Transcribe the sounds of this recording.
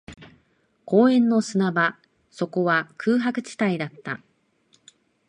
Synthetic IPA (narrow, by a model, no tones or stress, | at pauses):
ko̞ːẽ̞nːo̞sɨnaba | so̞ko̞βakʰɯ̟ːɦakɯ̟̥t͡ɕi̥t̪aid̪at̪ːa̰